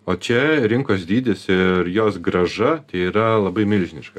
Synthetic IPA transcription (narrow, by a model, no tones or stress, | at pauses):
oːt͡ʃʲɛɾʲɪŋkoːsd̪ʲiːd̪ʲɪsɪɾjoːsɡɾɐʒɐt̪ʲɐɪiːɾɐlˠɐbɐɪmʲɪlʲʒʲɪnʲɪ̰ʃkɐ